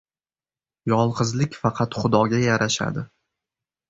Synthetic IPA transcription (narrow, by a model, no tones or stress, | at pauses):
jɒlˠqɨzlɪkʲfɑqʰɑt̪χʊd̪ɒɡʲajaɾʔaʃa̰d̪ɪ